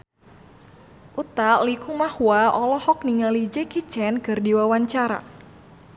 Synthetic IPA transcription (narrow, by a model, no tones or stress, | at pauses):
ʔut̪aʔlikumahwaɔlɔhɔk̚niŋalid͡ʒɛkit͡ʃɛnkɨrdiwawaɲt͡ʃaɾa̰